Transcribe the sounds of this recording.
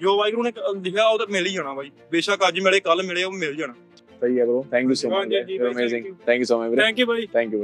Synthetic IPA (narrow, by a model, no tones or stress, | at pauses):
d͡ʒoːbaːikəɾoːnẽːklɪkʰaːoːt̪ːmɪliːd͡ʒaːɽaːbaːiː | beːʃaːkəd͡ʒmeːɽeːkəlmɪleːomɪld͡ʒaːnãː | səiːɛːbəɾoːt̪ʰɛ̃ːŋkjuːsoːəmeːzɪ̃ŋt̪ʰɛ̃ːŋkjuːsoːmabəɾɛ̃ːŋkjuːbʱaːiːt̪ʰɛ̃ːŋkjuːb